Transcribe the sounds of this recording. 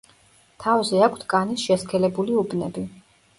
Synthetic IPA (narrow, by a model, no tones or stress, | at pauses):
t̪ʰavzɛakʰt̪ʰkʼanisʃɛskʰɛlɛbuliubnɛ̰bi